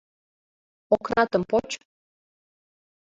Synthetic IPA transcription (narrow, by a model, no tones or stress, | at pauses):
oknɑt̪ɤmpot͡ɕ